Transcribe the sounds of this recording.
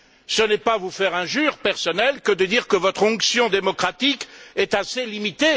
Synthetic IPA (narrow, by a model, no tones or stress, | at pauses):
sənɛpavufɛʁɛ̃ʒyʁpɛʁsɔnɛlkəd̪əd̪iʁkəvɔt̪χɔ̃ksjɔ̃d̪emɔkχat̪ikɛt̪aselimit̪e